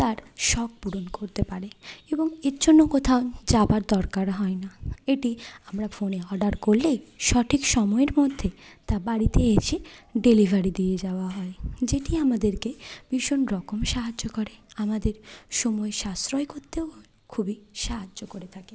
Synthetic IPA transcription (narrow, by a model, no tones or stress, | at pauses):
t̪aɾʃɔk̚puɽonkoɾt̪epaɾeeboŋeɾd͡ʑonːokot̪ʰaod͡ʑabaɾd̪ɔɾkaɾɦɔenaeʈiamɾafoneɔɾɖaɾkolːejʃɔʈʰikʃɔmɔeɾmod̪ʱːet̪aɾbaɽit̪eet͡ɕʰeɖelibʱaɾid̪ied͡ʑaoaɦɔed͡ʑeʈiamad̪eɾkeb̥iʃonɾɔkomʃaɦad͡ʑːokoɾeamad̪eɾʃɔmɔeʃast̪ɾoekoɾt̪eo | kʰubiʃaɦad͡ʑːokoɾet̪ʰake